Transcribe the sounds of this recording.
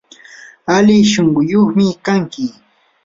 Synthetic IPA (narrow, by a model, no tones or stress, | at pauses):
alɪʃoŋɢʊjoχmɪkaŋkɪ